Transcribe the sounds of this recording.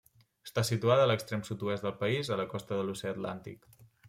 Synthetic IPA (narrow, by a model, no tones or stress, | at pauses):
əst̪asit̪uaðəːləkst̪ɾemsut̪uɛsd̪əlˠpəizələkɔst̪əðəlusɛət̪la̰nt̪ḭk